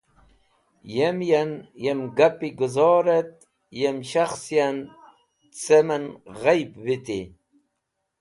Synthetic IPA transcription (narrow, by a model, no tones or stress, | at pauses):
jemjanjemɡapiɡuzɔːɾet̪̚ | jemɕaxsjan | t͡semɐnʁajbwit̪ḭ